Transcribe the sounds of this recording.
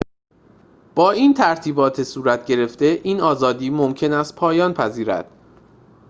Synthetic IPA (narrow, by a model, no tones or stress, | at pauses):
b̥ɒːiːnt̪ʰæɾt̪ʰiːbɒːt̪ʰesuːɾæt̪ʰɟe̞ɾe̞ft̪e̞ʔiːnɒːzɒːd̪iːmomcʰe̞næst̪̚pʰɒːjɒːnpʰæziːɾæ̰d̪̥